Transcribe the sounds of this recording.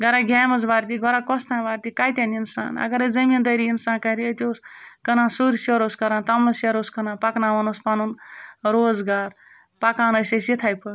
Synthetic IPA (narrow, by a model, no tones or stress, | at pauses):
ɡɐɾaɡʱʲaːmɐs̬ʋaːɾt̪iɡɔɾakɔst̪ʰãːnʋaːɾʲt̪ikajt̪ʲaninsa̰ːnɐ̰ɡɐɾɐzɐmʲind̪ɐɾiinsaːnkɐɾiət̪ʲoskɐnãːsuɾʲsoɾoːskɐɾãːnt̪ɐmlɐsjɐɾoskɐnãːpaknãːʋɐnospanunɾoːzɡaːɾ | pakãːnɐsesit̪ʰaːjpʰɐɾ